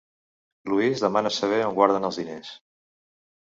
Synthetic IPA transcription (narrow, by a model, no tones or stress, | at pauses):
luizðəmanəsəβ̞ɛoŋɡwaɾð̞ənəlˠzðines